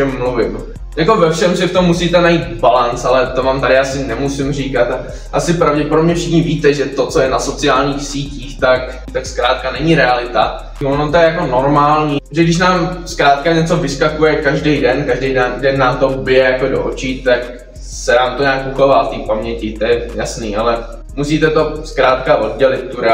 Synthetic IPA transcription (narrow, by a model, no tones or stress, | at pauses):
ɛmːluvɪm | jakovɛfʃɛmsɪft̪omːusiːt̪ɛnajiːt̪balant͡sʔalɛt̪omaːmt̪aɾɪjaːsɪnɛmusɪmr̝iːkat̪a | ʔasɪpɾavɟɛpoɾobɲɛfʃɪxɲɪviːt̪ɛʒɛt̪o̞t͡so̞jɛnaso̞t͡sɪaːlɲiːxsiːciːxt̪ak | t̪akskɾaːt̪̚kanɛɲɪɾɛalɪt̪a̰ | onot̪ojɛjako̞no̞ɾmaːlɲiːʒɛɡdɪʃ̬naːmskɾaːt̪̚kaɲɛt͡so̞vɪskakujɛkaʒdejdɛnkaʒdejdɛndɛnːaːmt̪o̞ubɪjɛjakodo̰ʔot͡ʃiːt̪ak | sɛnaːmt̪oɲaːkkukovaːft̪iːpamɲɛcɪt̪ojɛjasniːʔalɛ | musiːt̪ɛt̪o̞skɾaːt̪kaʔo̞dɟɛlɪt̪̚tːuɾɛ